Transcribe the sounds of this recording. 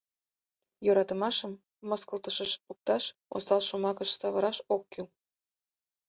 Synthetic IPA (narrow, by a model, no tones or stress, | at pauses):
joɾɑt̪ə̆mɑʃəmː | ɤskəlt̪əʃəʃuk̚t̪ɑʃo̰sɑlʃomɑkə̆ʃsɑβə̆ɾɑʃokːil